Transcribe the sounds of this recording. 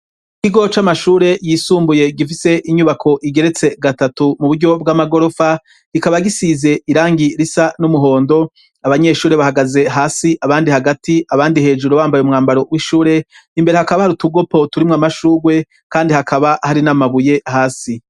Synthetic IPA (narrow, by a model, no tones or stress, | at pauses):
ikiɡo̞t͡ʃamaʃuːɾe̞jiːsuːmbuje̞ɡifise̞ʔiɲuβakʰo̞ʔiɡe̞ɾe̞t͡se̞ɡatatumuβuɾɟo̞b̚ɡamaɡo̞ɾo̞fa | ɡ̥ikaβaɡisize̞iɾaːŋɡiɾisanumuɦo̞ːndo̞ | aβaɲe̞ʃuːɾe̞βahaɡaze̞ɦaːsiʔaβaːndihaɡatʰiaβaːndihe̞ːd͡ʒuɾoβaːmbajumŋaːmbaɾo̞wiʃuːɾe̞imbe̞ɾe̞hakaβahaɾutuɡo̞po̞tuɾimŋamaʃuːɾwe̞ | kaːndihakʰaβahaɾinamaβuje̞haːsi